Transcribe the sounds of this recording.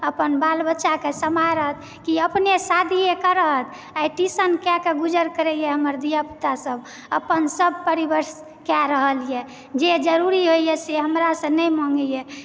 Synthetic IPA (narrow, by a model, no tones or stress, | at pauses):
əpənbalbətːʃakesəmaɾəɦət̪̚ʰ | kiəpnesad̪ʱiekəɾəɦət̪ʰ | ajʈisənkakeɡud͡ʒəɾkəɾɛjɛɦəməɾd̪ijəpt̪asəb | əpənsəb̚ʱpəɾibəɾs | kaɾəɦəlije | d͡ʒed͡ʒəɾuɾiɦoijɛseɦəmɾasə̃nɛjmɔ̃ŋɡjɛ